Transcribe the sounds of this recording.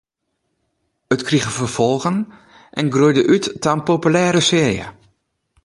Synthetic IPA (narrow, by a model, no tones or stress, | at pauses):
ətkriɣəvərv̥ɔlˠɣən | ʔɛnɡrujdəʔytːanpopylɛːɾəsɪːrjə̰